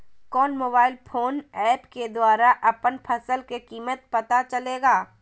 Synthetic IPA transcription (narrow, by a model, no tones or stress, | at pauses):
kɔːnmoːbaːɪlpʰoːnɛːpked̪waːɾaʔɐpənpʰɐsəlkekiːmət̪̚pɐt̪at͡ʃɐleːɡaː